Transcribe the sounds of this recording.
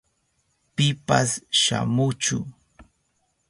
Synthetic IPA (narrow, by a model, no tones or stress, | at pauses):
pɪpasʃa̰mʊt͡ʃʊ